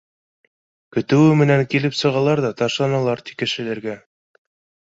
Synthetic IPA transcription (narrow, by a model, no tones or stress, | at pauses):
kɵ̆t̪ɘ̆wɘmɘ̆næŋkilɘpsɤ̆ʁɑlˠɑɾðɑt̪ɑʃlˠɑnɑlˠɑɾt̪i̥kɘ̆ʃɘ̆læɾɡæ